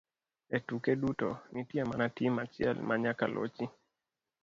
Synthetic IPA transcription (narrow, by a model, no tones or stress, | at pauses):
ɛtukɛɗutɔ̰nitiamanatimat͡ʃial̰maɲakalʔɔ̰t͡ʃi